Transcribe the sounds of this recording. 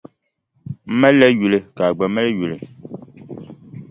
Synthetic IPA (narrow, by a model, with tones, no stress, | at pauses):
m̩˦mɛ˦lːɛ˦ju˨le˨ka˨ɡ͡bɛ˨mɛ˦le˦ju˨le˨